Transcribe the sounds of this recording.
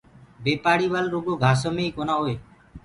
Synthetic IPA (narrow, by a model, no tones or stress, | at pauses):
bepaɽiβalɾoɡoɡʱasɔmejkonaɦoe